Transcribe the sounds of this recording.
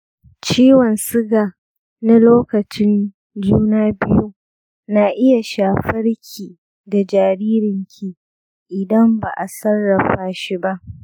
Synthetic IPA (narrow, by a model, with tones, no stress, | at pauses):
t͡ʃiː˦wɐ˨nsɪ˦ɡaː˨ | na˦loː˦kɐ˨t͡ʃɪ˦n | d͡ʒuː˦naː˦bɪ˦ju˦ | naː˨ʔɪ˦ja˨ʃaː˨ɸɐ˦rkʲʰiː˨ | da˨d͡ʒaː˨ɾiː˦ɾɪ˨ŋkʲʰi˨ | ʔɪ˨dɐ˦mba̰˨ʔa˨sɐ˦rːɐ˨ɸaː˦ʃi˦ba˦ʔ